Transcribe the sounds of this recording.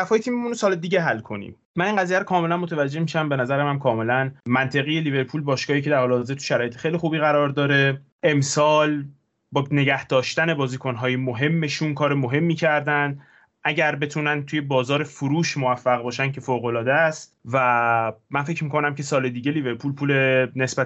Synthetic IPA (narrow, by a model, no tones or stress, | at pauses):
æfɒːjet̪ʰiːmemunosɒːled̪iːɟe̞ɦælkʰo̞nḭːm | mæniːŋɢæziːjæɾokʰɒːme̞lænmo̞t̪ʰævæd͡ʒːe̞hmiʃæmbe̞næzæɾemæmkʰɒːme̞lænmænt̪ʰe̞ɣije̞live̞ɾpʰuːlbɒːʃkɒːiːcʰe̞d̪æɾhɒːleɒzet̪u̥ʃæɾɒːjet̪exejlixuːbiːɣæɾɒːɾd̪ɒːɾe̞ | ʔe̞msɒːl | bɒːne̞ɟæhd̪̥ɒːʃt̪æne̞bɒːziːkʰonɦɒːjemoɦe̞mːe̞ʃunkʰɒːɾemoɦe̞mːiːcʰæɾd̪ænd̪ | ʔæɟæɾbe̞t̪ʰuːnænt̪ʰuje̞bɒːzɒːɾe̞fuɾuːʃmovæfːæɣbɒːʃæncʰe̞foːɣo̞lɒːd̪eæst̪væmænfecʰmiːkʰo̞næmcʰe̞sɒːle̞d̪iːɟeliːve̞ɾpʰuːlpʰuːlene̞sbæ